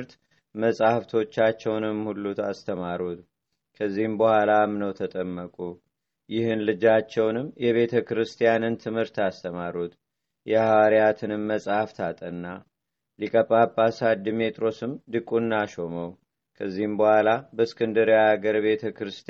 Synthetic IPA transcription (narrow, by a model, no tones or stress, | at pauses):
ɾt̪ | məsʼahft̪ʰo̞t͡ʃːat͡ʃːɛwnɨmhulːut̪ast̪ʰəmaɾut̪ | kʰəzːihɨmbəhʷalamnəwt̪ʰət̪ʼəmːəkʼu | jɪhɨnlɨd͡ʒat͡ʃːɛwnɨmjɛβe̞t̪ʰəkɨɾɨst̪ʰijanɨnt̪ʰɨmhɨɾt̪ast̪ʰəmaɾut̪ | jɛhawaɾijat̪ʰɨnɨmːəsʼahft̪ʰat̪ʼənːa | likʼəpʼːapʼːasad̪ɨmet̪ʼɾo̞sɨmd̪ɨkʼunːaʃo̞məw | kʰəzːihɨmbəhʷalabəskʰɨnd̪ɨɾijaaɡəɾβe̞t̪ʰəkɨɾɨst̪